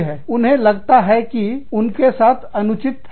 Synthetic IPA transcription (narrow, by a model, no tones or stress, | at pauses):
ɦɛːʊnɦẽlɐɡt̪aɦɛkiʊnkesaːt̪ʰɐnʊt͡ʃɪt̪